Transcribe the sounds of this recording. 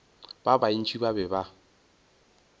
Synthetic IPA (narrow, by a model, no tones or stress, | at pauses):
b̥abain̩t͡ʃʰibabɛba